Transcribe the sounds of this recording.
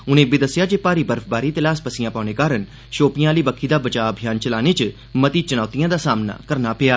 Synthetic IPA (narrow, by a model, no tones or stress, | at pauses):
ʊnẽːbɪd̪əsːɪjaːd͡ʒeːpaːɾiːbəɾfʰbaːɾiːt̪ɪlaːspəsɪjãːpaːneːkaːɾən | ʃoːpɪjãːliːbəkʰːiːd̪aːbət͡ʃaːəbʱjaːnt͡ʃəlaːneːt͡ʃ | mət̪iːt͡ʃənaːt̪ijãːd̪aːsaːmna̰ːkəɾnaːpɪjaː